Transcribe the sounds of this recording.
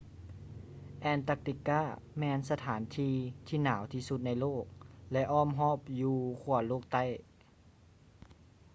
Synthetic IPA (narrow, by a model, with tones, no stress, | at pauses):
ʔɛː˧˩nt̪a˧˥k̚t̪i˧kːaː˧˥˩ | mɛː˧nsa˧t̪ʰaː˩˦nt̪ʰiː˧t̪ʰiː˧˥˩naː˩˦wt̪ʰiː˧˩su˧t̪̚na˧˩jloː˥˩k̚lɛ˦˧ʔɔː˧˥˨mɦɔː˧˥˨p̚juː˧kʰu˧˩ɐloː˥˩k̚t̪a˧˥˩j